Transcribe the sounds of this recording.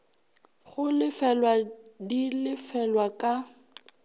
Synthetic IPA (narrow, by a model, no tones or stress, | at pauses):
χʊlɪfɛlwadilɪfɛlwakʼa